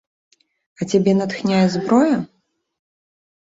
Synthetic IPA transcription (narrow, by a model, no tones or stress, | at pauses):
ɐt͡sʲabʲɛnɐt̪xnʲajɛzbɾɔjɐ